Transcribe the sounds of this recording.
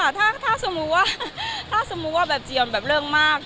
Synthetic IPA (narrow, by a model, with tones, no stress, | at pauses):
a˨˩t̪ʰaː˥˩t̪ʰaː˥˩sa˧mu˧˥k̚waː˥˩t̪ʰaː˥˩sa˧mu˧˥waː˥˩bɛː˨˩p̚t͡ɕi˨˩ənbɛː˨˩p̚ɾɯː˥˩əŋmaː˥˩k̚